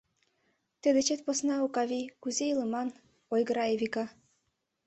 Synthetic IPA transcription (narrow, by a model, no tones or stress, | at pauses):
t̪ed̪ĕt͡ɕet̪̚posnɑukɑβikuzejilɤ̆mɑn | ojɣɤ̆ɾɑeβʲikɑ